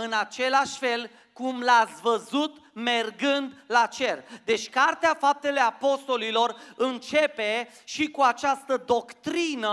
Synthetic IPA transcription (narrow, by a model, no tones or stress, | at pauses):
ɨnat͡ʃe̞laʃfe̞l | kumlat̪sʲvəzut̪me̞rɡɨnd̪lat͡ʃe̞rd̪e̞t͡ʃʲkart̪eafap̚t̪e̞le̞apo̞st̪o̞lilo̞rɨnt͡ʃe̞pe̞ | ʃikuat͡ʃast̪əd̪o̞kt̪ɾinə